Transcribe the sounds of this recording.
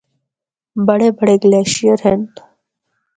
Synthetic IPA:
bəɽebəɽeɡleːʃijəɾɦent̪

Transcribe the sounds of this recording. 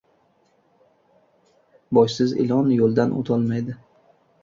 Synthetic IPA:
bɒjsɪzɪ̰lˠɒnjolˠd̪anʔo̰t̪ʰɒlˠmajd̪ɪ

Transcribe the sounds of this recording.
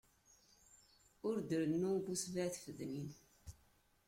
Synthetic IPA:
ʊɾd̪əɾənːubusvæθfəðmin

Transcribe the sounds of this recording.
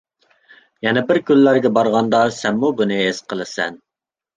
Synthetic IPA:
jɛnɛbɪɾkʲylːæɾɡʲɛbɑɾʁɑnd̪ɑsɛmmubunɨesqʰəlˠɨsɛ̰n

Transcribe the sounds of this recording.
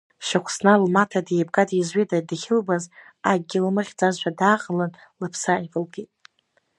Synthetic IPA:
ʃakʷʰsnalmatʰadebɡadizɥedadχʲɪlbaz | aɡ̚ɡʲɪlmɨχʲd͡zazʃʷᶣadaːqʼəlan | lɨpʰsaivɨlɡejtʼ

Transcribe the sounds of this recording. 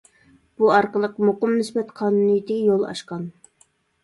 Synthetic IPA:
b̥uɑɾqəlˠəqmoqəmnysbɛt̪qʰɑːnunɨjt̪ʰɪjolˠɑ̰ʃqɑn

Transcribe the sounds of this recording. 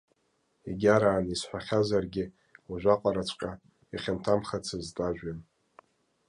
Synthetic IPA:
eɡʲaɾaːnisħʷᶣaχʲazarɡʲɪ | aʒᶣʷaqʼaɾat͡ʃʷʰʼkʲʼa | iχʲantʰamχat͡sʰɨztʼaʒᶣan

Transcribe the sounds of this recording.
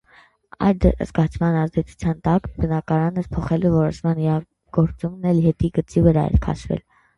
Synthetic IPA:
ɑ̰jd̪ə̰zɡɑt͡sʰmɑnɑzd̪ɛt͡sʰu̥t͡sʰjɑnt̪ɑkbənɑkɑɾɑnəɾpʰɔχɛluvɔɾɔʃmɑniɾɑ | ɡ̥ɔɾt͡sumnɛlɦɛt̪iɡət͡sivəɾɑɛ̰ɾkʰɑ̰ʃvɛ̰l

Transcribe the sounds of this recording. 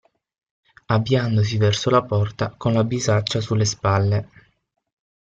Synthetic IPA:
abːjand̪os̬ivɛrsolapɔrt̪akonlabizat͡ʃːasulːespalːe

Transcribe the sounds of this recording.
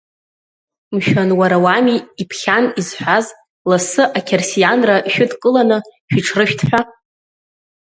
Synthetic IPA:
mʃᶣanwaɾawamiipʰχʲanizħᶣʷaz | lasɨʔakʲʰersijanraʃᶣʊdkʼɨlanɨʃᶣiʈ͡ʂʰrɨʃᶣtʰħᶣʷa

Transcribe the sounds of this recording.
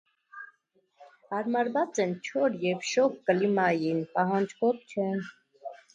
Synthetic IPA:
hɑɾmɑɾvɑt͡sɛnt͡ʃʰɔɾjɛvʃɔp̚kəlimɑjinpɑɦɑnd͡ʒkʰɔvt͡ʃʰɛn

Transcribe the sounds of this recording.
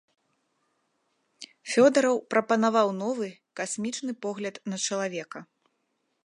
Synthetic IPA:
fʲɔd̪ɐɾɐwpɾɐpɐnavawn̪ɔvɨ | kasʲmʲit͡ʂnɨpɔɣlʲɐd̪nɐt͡ʂɐlˠavʲɛkɐ

